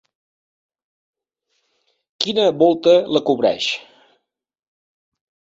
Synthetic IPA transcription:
kinəβɔlˠt̪ələkuβɾɛ̰ʃ

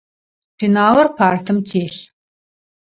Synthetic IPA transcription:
pinaːlɐrpʰaːrtʰɨmtʰeːɬ

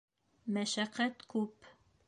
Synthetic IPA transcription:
mæʃæqːæt̪kʉp

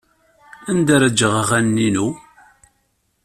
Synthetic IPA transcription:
ænd̪aɾəd͡ʒəʁʁænːinu

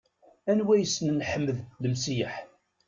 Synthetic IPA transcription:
ænwæjəsːnnħəmːəðləmsiħ

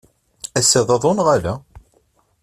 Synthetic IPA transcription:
æsːæðˤɑðˤonʁalæ

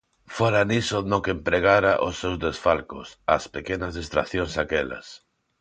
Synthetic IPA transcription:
foɾanisonokempɾeɣ̞aɾaʔʊsːewzðesfalkʊsa̰spekenazðist̪ɾa̰θjoŋsakɛla̰s

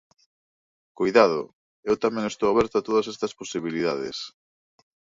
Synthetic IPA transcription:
kojðað̞ʊ̰ | ewt̪amẽŋest̪owaβɛɾt̪ʊat̪oð̞ɐsest̪ɐsposiβilið̞aðḛs

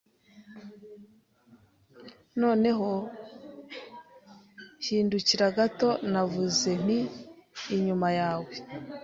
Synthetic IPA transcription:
no̞ːne̞ɦo̞ | hiːnduciɾaɡato̞navuze̞n̥iː | ɲumajaːwe

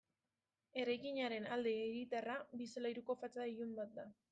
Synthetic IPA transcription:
e̞ɾajkiɲaɾe̞nald̪e̞ːɣit̪arabiselajɾuko̞fat͡saijumbat̪̚d̪a

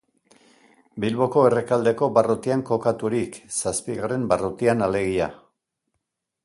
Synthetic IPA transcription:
bilβo̞ko̞e̞re̞kald̪e̞ko̞barot̪iaŋko̞kat̪uɾiksaspiɣare̞mbarot̪ianale̞ɣ̞ia

